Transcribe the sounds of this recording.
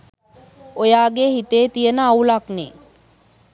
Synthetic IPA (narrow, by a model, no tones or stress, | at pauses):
ojaːɡeɦit̪eːt̪ijənəɐulaknḛ